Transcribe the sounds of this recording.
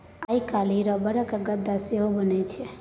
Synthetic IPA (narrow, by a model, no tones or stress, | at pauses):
aikaliɾɔbəɾəkəɡəd̪aseobənet͡ʃʰe